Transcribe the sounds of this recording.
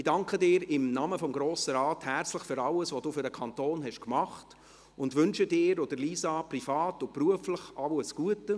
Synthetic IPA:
ɪdɑŋkχədɪːɾɪmnɑməfɔmɡɾoːsəɾɑːthæɾt͡sləχfʏɾɑləsvʋod̥uːfʏɾdəkʰɑntoːnɦɛʃkmɑχt | ʊndʋʏnʃədɪːɾɔd̥əɾliːsɑprifɑːtʊpɾuəfləχɑwəsɡ̥uətə

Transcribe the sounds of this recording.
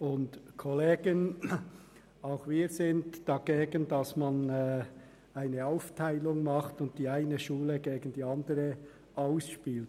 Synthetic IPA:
ʊntkʰɔleːɡ̥ən | aʊxviːɾzɪntd̥ɑɡeːɡəndɑsmɑnɛː | aɪnəaʊftʰaɪlʊŋmɑχtʊnt̚d̥iːaɪnəʃuːləɡeːɡən̩diːɑndəʁə | ʔaʊsʃpiːlt

